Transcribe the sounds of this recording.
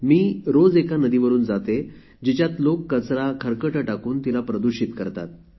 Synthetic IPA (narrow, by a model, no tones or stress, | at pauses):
miːɾod͡zekanəd̪iʋəɾuːnd͡zat̪e | d͡ʑit͡ɕjat̪lokːət͡sɾakʰəɾkəʈəʈakuːnt̪ilapɾəd̪uɕit̪kəɾt̪a̰t̪̚